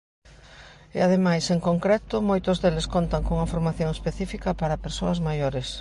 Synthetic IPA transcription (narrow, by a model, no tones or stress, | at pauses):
ḛað̞emajseŋkoŋkɾɛt̪ʊmojt̪ʊzðeleskont̪ɐŋkõuŋɐfoɾmaθjoŋespeθifikɐpaɾɐpeɾsoɐzmajoɾes